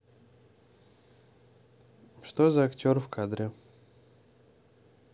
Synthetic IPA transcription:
ʂt̪ozɐɐktʲo̞rfkʰad̪ɾʲɪ

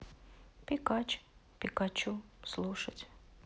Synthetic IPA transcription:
pʲɪkat͡ɕpʲɪkat͡ɕuslˠuʂətʲ

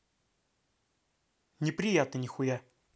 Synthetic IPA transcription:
nʲɪpɾʲɪjat̪nənʲɪxʊja

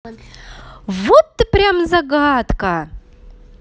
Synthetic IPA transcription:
vot̪ːɨpɾʲamzɐɡat̪kɐ

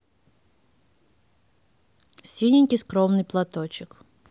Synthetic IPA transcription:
sʲinʲɪnʲkʲiskɾɔmnɨjplˠat̪ɔt͡ɕɪk

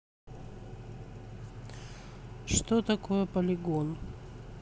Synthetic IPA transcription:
ʂt̪ot̪ɐkojəpəlʲɪɡon

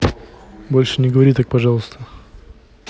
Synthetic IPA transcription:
bo̞lʲʂɨnʲɪɡəvɐɾʲit̪ak̚pɐʐɑlˠəst̪ə

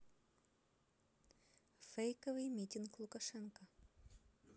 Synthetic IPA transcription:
fɛjkovɨjmʲitʲinklˠukaʃɛnko

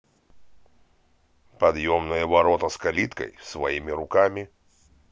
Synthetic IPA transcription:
pɐd̪jomnɨjəvɐɾot̪əskɐlʲit̪kə̰jsvɐimʲɪɾʊkamʲɪ

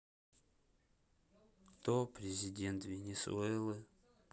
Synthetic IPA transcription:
kt̪opɾʲɪzʲɪdʲent̪vʲɪnʲɪsṵɛlˠɨ

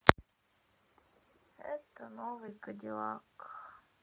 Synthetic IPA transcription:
ɛ̰t̪ənovɨjkɐdʲɪlˠɑk

